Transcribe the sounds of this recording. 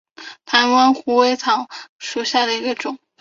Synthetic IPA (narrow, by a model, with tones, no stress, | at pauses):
t̪ʰa˧˥nwa˥nxu˧˥we˥ɪt͡sʰɑ˧˥˦ŋʂu˨˩ɕja˥˩d̪ə˩i˧˥ɡə˧ʈ͡ʂʊ˨˩˦ŋ